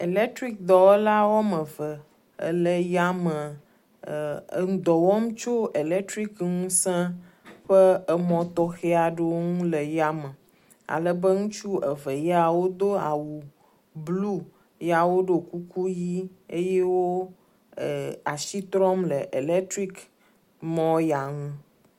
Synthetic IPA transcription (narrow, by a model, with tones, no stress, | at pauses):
e˨lɛ˦t̪ɾi˦k̚d̪ɔ˨wla˦wɔ˦mə̃˨və˨ | lə˨ja˦mə̃˨ | ŋ̃˦d̪ɔ˨wɔ˦m˦t͡ʃo˦e˨lɛ˦t̪ɾi˦kŋũ˦sɛ̃˦ | ɸə˦ə˨mɔ̃˨t̪ɔ˦xe˦a˨ɖe˦wo˦ŋũ˦lə˨ja˦mə̃˨ | a̰˨lə˨bə˦ŋũ˦t͡ʃu˦ə˨ve˨ja˨wo˦d̪o˦a̰˨wu˨ | blu˦ | ja˨wo˦ɖe˨ku˦ku˦ji˦e˦je˦wo˦˨ | a˨ʃi˦t̪ɾɔ˦mlə˨ʔe˨le˦t̪ɾi˦k | mɔ̃˦ja˨ŋũ˦